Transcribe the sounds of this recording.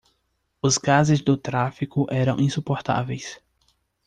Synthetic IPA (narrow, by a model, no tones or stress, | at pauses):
ʊzɡazɪzd̪ʊt̪ɾafikʊʔɛɾɐ̃w̃ʔĩsupoɾt̪a̰vejs